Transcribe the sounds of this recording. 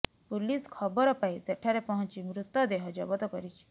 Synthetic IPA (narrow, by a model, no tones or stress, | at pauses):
puliskʰɔbɔɾɔpaiseʈʰaɾepɔɦɔ̃nt͡ʃimɾut̪ːɔd̪eɦɔd͡ʒɔbɔt̪ɔkɔɾit͡ʃʰi̥